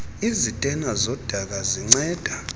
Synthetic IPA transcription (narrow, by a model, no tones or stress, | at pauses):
izitʼɛnazɔd̥ʱak̬aziŋ͡ǀɛːd̥ʱa